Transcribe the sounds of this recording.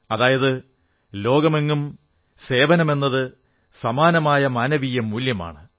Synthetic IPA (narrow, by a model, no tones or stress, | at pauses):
ɐðaːjɐðɨ | lo̞ːɡɐme̞ŋːum | se̞ːbɐnɐme̞nːɐðɨ | sɐmaːnɐmaːjɐmɐnɐʋijɐmuljɐma̰ːɳɨ